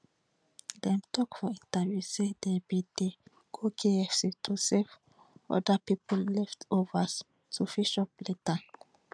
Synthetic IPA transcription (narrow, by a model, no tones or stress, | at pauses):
dɛ̃mtʰɔkfɔĩntavjusedebide | ɡ̥okʰeɛfsitʰusev | ɔ̰dapipɔllɛftovas | tʰufiʃɔpleta